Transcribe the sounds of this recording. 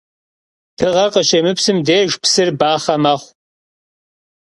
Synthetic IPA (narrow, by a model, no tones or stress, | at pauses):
d̥ɨʁɐrqəʃɐmɨpsɨmdeːʒpsɨrbaːχɐmɐχʷ